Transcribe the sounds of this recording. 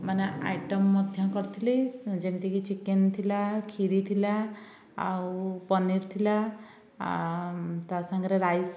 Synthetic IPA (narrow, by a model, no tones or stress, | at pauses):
manea̰jʈɔmːɔd̪ʱjakɔɾt̪ʰilisd͡ʒent̪ikit͡ʃikent̪ʰilakʰiɾit̪ʰila | a̰wpɔniɾt̪ʰila | t̪asaŋɡɾeɾajs